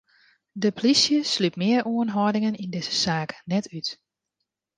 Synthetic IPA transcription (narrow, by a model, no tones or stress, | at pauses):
dəplisjəslypmɪərʔuənɦɔdɪŋənindɪz̥ə̥saːknɛtʰyt